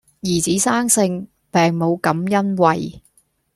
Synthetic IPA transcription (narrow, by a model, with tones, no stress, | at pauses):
jiː˨˩t͡siː˨˥saː˥ŋsɪ˧ŋ | pɛː˨ŋmo˨˧wkɐ˨˥mjɐ˥nwɐ˨˧j